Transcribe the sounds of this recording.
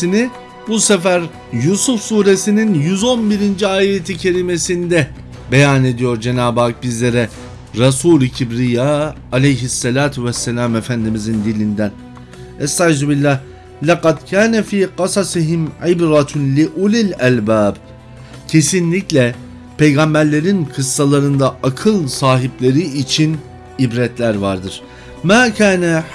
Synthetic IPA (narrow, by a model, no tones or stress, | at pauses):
ini | busefæɾ | jusufsuːɾe̞sininjyzo̞nbiɾind͡ʒiaːjet̪ʰicʰe̞ɾime̞sind̪ɛ | be̞jane̞d̪ijo̞ɾd͡ʒe̞naːbaːk̚bizlʲe̞ɾɛ | ɾasuːlʲcʰibɾijaː | lʲejɦisːelʲaːt̪ʰuvɛsːelʲaːmefænd̪imizind̪ilʲind̪æn | ɛst̪azubilʲːah | lʲɑqɑd̪cʰaːnɛfiːqɑsɑsiɦimʕibɾɑt̪lʲiʔulilʲælʲbaːb | cʰe̞sinlʲiclʲɛ | pʰe̞jɡambæɾlʲe̞ɾinkʰɯsːalˠaɾɯnd̪aʔakʰɯlˠsaːɦiplʲe̞ɾiːt͡ʃʰin | ibɾɛt̪lʲæɾvaɾd̪ɯɾ̥ | maːcʰaːnɛ